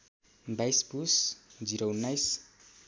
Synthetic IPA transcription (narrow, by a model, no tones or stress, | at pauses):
bajsbusd͡ziɾounːajs